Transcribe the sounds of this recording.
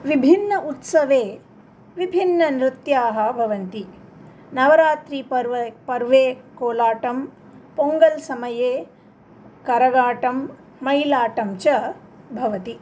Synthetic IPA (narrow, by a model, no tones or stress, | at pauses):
ʋibʱinːɐʔut̪sɐʋeː | ʋibʱinːɐnɾut̪jaːɦɐbʱɐʋɐnt̪i | nɐʋɐɾaːt̪ɾipɐɾʋeːkoːlaːʈɐm | poŋɡɐlsɐmɐjeː | kɐɾɐɡaːʈɐmː | ɐɦilaːʈɐmt͡ʃɐ | bʱɐʋɐt̪i